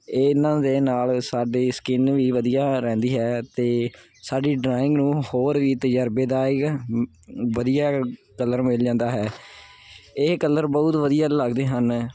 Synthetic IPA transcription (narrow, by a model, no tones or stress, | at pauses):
eːɪnãːd̪eːnaːlsaːɖeːsə̥kɪnʋiːʋəd̪ijaːɾɛ̃ːnd̪iːɦɛːt̪eː | saːɖiːɖɾaːɪ̃ŋɡnũːhoːɾʋiːt̪əd͡ʒəɾbeːd̪aːɪk | ʋəd̪ijaː | kələɾmɪld͡ʒãːnd̪aːɦɛː | ɪkələɾbɔʊt̪ʋəd̪ijaːləɡd̪eːɦən